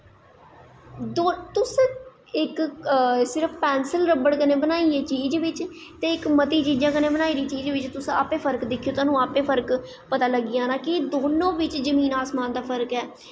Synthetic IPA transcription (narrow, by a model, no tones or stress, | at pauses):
d̪ot̪ʊs | ɪk | sɪɾəpʰpɛːnsəlɾəbəɽkənẽːbənaːieːt͡ʃiːd͡ʒʋɪt͡ʃt̪eːɪkmət̪iːt͡ʃiːd͡ʒãːkəneːbənaːiːɾiːt͡ʃiːd͡ʒʋɪt͡ʃt̪ʊsaːpẽːpʰəɾkd̪ɪkʰːijoːt̪aːnũːaːpẽːpʰəɾk | pət̪aːləɡːɪjãːnãːkɪd̪oːnõːʋɪt͡ʃzəmĩːnaːsmaːnd̪aːpʰəɾkɛː